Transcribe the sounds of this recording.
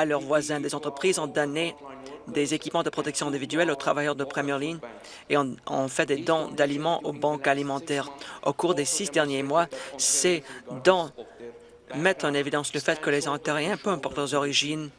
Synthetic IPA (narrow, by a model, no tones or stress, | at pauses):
alœʁvwazɛ̃d̪ezɑ̃t̪χəpχizɑ̃d̪ɔned̪ezekʲipmɑ̃d̪əpχɔt̪ɛksjɔ̃ɛ̃d̪ivid̪ɥɛlot̪χavajœʁd̪əpχemjɛʁliɲ | eɑ̃ɑ̰̃fɛd̪ed̪ɑ̃d̪alimɑ̃ʔobɑ̃kalimɑ̃t̪ɛʁo̰kuʁd̪esisd̪ɛʁnjemwasɛd̪ɑ̃ | mɛt̪χɑ̃nevid̪ɑ̃sləfɛt̪kəlezɑ̃t̪eʁɛ̃pøɛ̃pɔʁt̪lœʁzɔʁiʒin